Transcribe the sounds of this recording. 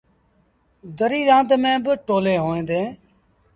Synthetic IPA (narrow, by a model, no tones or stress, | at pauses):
d̪əɾiːɾãːnd̪mẽːbəʈoːlẽːɦoːẽːd̪ẽː